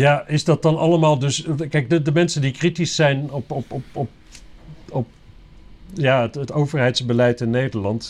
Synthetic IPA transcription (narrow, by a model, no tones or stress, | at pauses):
jaːɪzdɑt̚dɑnɑ̰ləmaːlˠdɵskɛjk̚dədəmɛnsəndikritisɛjnɔpɔpɔpɔp̚ | ɔp̚ | jaːətətowvəɹɦɛjtsbəlɛjtɪnːejdəɹlɑnt